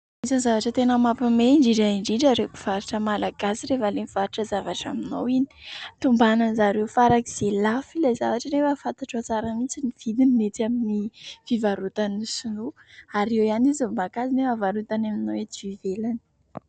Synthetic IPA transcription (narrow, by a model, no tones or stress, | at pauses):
izanizavaʈ͡ʂət̪enəmapimeɳɖ͡ʐiɖ͡ʐaiɳɖ͡ʐiɖ͡ʐaɾekiv̥aɾiʈ͡ʂəmalaɡasiɾefalemifaɾiʈ͡ʂəzavaʈ͡ʂa̰mino̰wini̥t̪umbanənzaɾewfaɾakiz̥elafilajzavaʈ͡ʂənefəfant̪aʈ͡ʂat͡saɾamit͡siniv̥id̪ininet̪aminiv̥ivaɾut̪anisunuaɾewjanizambakazinefavaɾut̪anaminowet̪ivivelani̥